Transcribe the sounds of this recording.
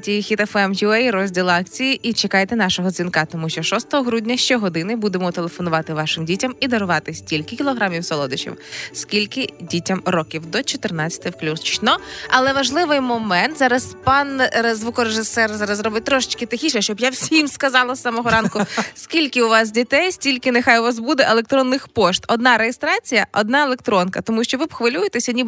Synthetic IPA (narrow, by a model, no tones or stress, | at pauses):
tʲixʲit̪ɛfɛmjuɛjɾɔzʲdʲilˠɑk̚t͡sʲijiʔit͡ʃekɑjet̪ɛnɑʃɔɦɔd̪zʲinkɑt̪ɔmuʃt͡ʃɔʃɔst̪ɔɦɔɦɾudʲnʲɐʃt͡ʃɔɦɔd̪ɪnɪbud̪emɔt̪elˠefɔnʊʋɑt̪ɪʋɑʃɪmdʲitʲɐmid̪ɐɾʊʋɑt̪ɪsʲtʲilʲkɪkʲilˠɔɦɾɑmʲiwsɔlˠɔd̪ɪt͡ʃḭwskʲilʲkɪdʲitʲɐmrɔkʲiwd̪ɔt͡ʃɔt̪ɪrnɑt͡sʲɐt̪ɪwplʲust͡ʃʲnɔɐlˠɛʋɐʒlˠɪʋɪjmɔmɛnt̪zɑɾɐspɑnzʋukɔɾeʒɪsɛrzɑɾɐzrɔbɪt̚ʲt̪ɾɔʃɪ̥t͡ʃkɪt̪ɪxʲiʃnɐʃt͡ʃɔbjawsʲimskɐzɑlˠɐsːɑmɔɦɔɾɑnkʊskʲilʲkɪʊʋɑs̬dʲit̪ɛjsʲtʲilʲkɪnɪxajʊʋas̬bud̪ɛʔelˠek̚t̪ɾɔnːɪxpɔʃt̪ɔd̪nɑɾejest̪ɾɑt͡sʲijɐʔɔd̪̚nɑelˠek̚t̪ɾɔnkɐt̪ɔmuʃt͡ʃɔʋɪbxʋɪlʲujet̪esʲɐnʲib